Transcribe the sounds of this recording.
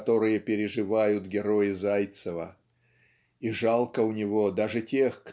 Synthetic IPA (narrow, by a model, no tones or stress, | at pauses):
t̪o̞ɾɨjəpʲɪɾʲɪʐɨvajʊt̪ɡʲɪɾo̞jɪzajt̪səvə̰ | iʐalˠkəʊnʲɪvo̞d̪aʐɨtʲe̞xk